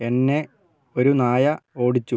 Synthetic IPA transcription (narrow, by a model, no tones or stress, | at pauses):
e̞nːe̞ | oɾunaːjɐo̞ːɽit͡ɕːu